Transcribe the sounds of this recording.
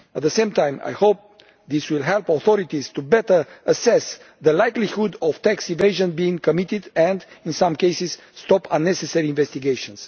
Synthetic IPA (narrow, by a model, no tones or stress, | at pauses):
ət̪̚ðəsẽɪmt̪ãj̃ma̰jhop̚ | ðiswilɦɛlpɔθɔɾit̪iz̥t̪ubɛt̪ə˞əsɛs | ðəlajklihud̪ɔv̥t̪æksĩveɪʒə̃nbiĩŋkomit̪id̪ɛ̃nd̪ĩnsãmkejsiz̥ːt̪ɔpãnːɛsɛsɛɹiĩnvɛst̪iɡejʃə̃ns